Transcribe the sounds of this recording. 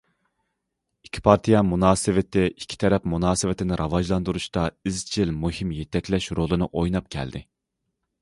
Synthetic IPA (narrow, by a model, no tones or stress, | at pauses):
ikʲʰːi̥pʰɑɾt̪ʰijɛmunɑːsɨvɪt̪ʰːɪʔikʲʰi̥t̪ʰɛɾɛpmunɑːsɨvɪt̪ʰɪnɪɾʔɑvɑʒlˠɑnd̪uɾuʃt̪ɑizt͡ʃʰilmuhimjet̪ʰɛkʲlɛʃɾolˠɨnɨʔojnɑp̚kʲʰɛ̰ld̪ɪ